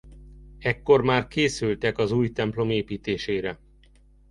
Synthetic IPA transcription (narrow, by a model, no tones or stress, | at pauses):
ɛkːo̞rmaːrkeːsylt̪ɛkɒzuːjt̪ɛmplo̞meːpiːt̪eːʃeːɾɛ